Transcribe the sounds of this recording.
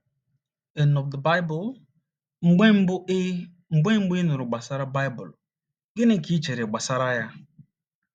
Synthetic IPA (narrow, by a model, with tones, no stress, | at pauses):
e˨nɔ˨fdə˨ba˦ɪ˦bʊ˨l | ŋ͡m̩˨ɡ͡b | ŋ͡m̩˨ɡ͡be˦ŋ͡m̩˦ɡ͡bʊ˦i˦nʊ˨ɾʊ˨ɡ͡ba˨sa˦ɾa˦ba˦jbʊ̰˨l | ɡɪ˦ne˦˨ki˦t͡ʃe˨ɾe˨ɡ͡ba˨sa˦ɾa˦ja˦